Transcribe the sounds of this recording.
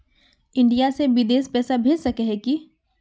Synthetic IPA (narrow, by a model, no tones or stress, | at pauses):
ɪ̃ɳɖijaseʋɪd̪eːspɛːsabʱeːd͡ʒsɐkeɦɛki